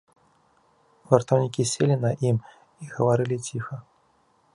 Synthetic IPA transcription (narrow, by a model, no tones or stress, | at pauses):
vɐrt̪ɐwnʲikʲisʲelʲinɐʔim | iɣɐvaɾɨlʲit͡sʲixɐ